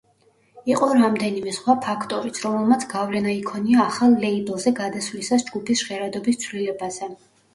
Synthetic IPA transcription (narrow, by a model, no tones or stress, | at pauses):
iqʼɔɾamd̪ɛnimɛsχwapʰakʰt̪ʼɔɾit̪sʰɾɔmɛlˠmat̪sʰɡavlɛnaikʰɔniaːχalˠːɛibɛlˠzɛɡad̪asvlisasd͡ʒɡupʰisʃʁɛɾad̪ɔbist̪sʰwlilɛbazɛ